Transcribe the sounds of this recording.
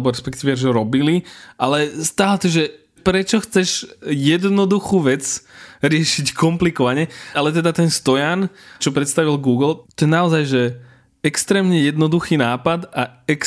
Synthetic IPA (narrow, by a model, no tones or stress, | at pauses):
bɔɾɛspɛkt̪iːʋɛʒɔɾɔbiliʔalɛst̪aːlɛt̪ɔʒɛ | pɾɛt͡ʃɔxt͡sɛʒjɛd̪nɔd̪uxuːʋɛt͡sɾɪɛʃickɔmplikɔʋaɲɛalɛt̪ɛd̪at̪ɛnst̪ɔjant͡ʃɔpɾɛt̪st̪aʋilɡuːɡl̩t̪ɔjɛnaɔzajʒɛ | ɛkst̪ɾɛːmɲɛjɛd̪nɔd̪uxiːnaːpad̪aɛk